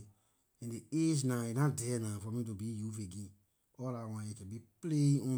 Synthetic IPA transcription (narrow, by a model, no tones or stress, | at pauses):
ɛ̃ndeed͡ʒnãinãdɛnãfɔmĩt̬ubijufeɡĩ | ɔlawãetebipleɔ̃